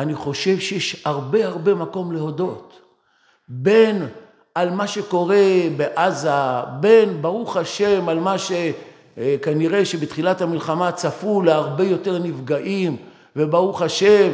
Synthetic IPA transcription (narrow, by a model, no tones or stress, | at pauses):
aniχo̞ʃe̞vʃejeʃhaʁbe̞aʁbe̞mako̞mle̞ho̞do̞t | be̞n | almaʃe̞ko̞ʁe̞beʔazabe̞nbaʁuχaʃemalmaʃe | kaniʁe̞ʃebetχilathamilχamat͡safulaaʁbe̞jo̞te̞ʁnivɡaʔim | vebaʁuχaʃem